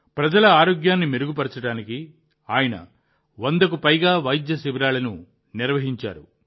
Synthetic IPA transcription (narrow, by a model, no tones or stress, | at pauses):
pɾɐd͡ʒɐlɐaːɾoːɡjaːnːimeɾuɡupɐɾt͡ʃɐɽaːniki | aːjɐnɐ̰ | ʋond̪ɐkupɐjɡaːʋɐjid̪jɐsibiɾaːlɐnu | niɾʋɐɦiɲt͡ʃa̰ːɾu